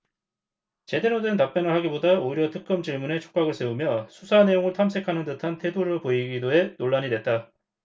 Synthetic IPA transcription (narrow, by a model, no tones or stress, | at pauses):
t͡ɕe̞denodentap͈jʌnɯɭhaɡibodaoiɾjʌtʰɯk͈ɯmd͡ʑiɭmune̞t͡ɕʰo̥k͈aɡɯɭs͈e̞umjʌsʰusʰane̞joŋɯɭtʰamsʰe̞kʰanɯntɯtʰantʰe̞doɾopoiɡidoe̞noɭːaɲidwe̞t̚t͈a